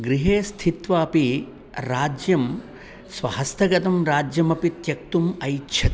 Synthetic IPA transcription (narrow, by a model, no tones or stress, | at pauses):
ɡɾiɦeːst̪ʰit̪ʋaːpi | ɾaːd͡ʒjɐm | sʋɐɦɐst̪ʰɐɡɐt̪ɐmɾaːd͡ʒjɐmɐpit̪jɐk̚t̪umɐjtːʃʰɐt̪i